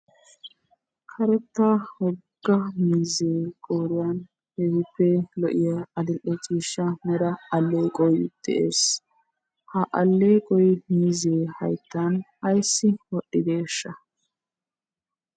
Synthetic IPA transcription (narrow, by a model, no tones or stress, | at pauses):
kʰɐɾɛt̪ːawɔɡ̥ːɐmiːzeːkʼoːɾɪjaːn | hɛhɪpːɛlɔʔɪjɐɐd̪ɪlʔːɛt͡ʃʼiːʃːɐmɛd̪ɐɐlːeːkʼɔjd̪̥ɛ̰ʔḛːs | hɐʔɐlːeːkʼɔjmiːzeːhɐjt̪ːanɐjsːɪwɔɗːɪd̪eːʃːɐ